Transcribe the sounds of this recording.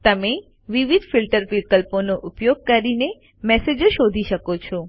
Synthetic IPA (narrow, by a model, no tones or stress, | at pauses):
t̪əme | ʋiʋid̪ʱfilʈəɾʋikəlponoʔupjoɡ̚kəɾine | mɛsed͡ʒʃod̪ʱiʃəkot͡ʃʰɔ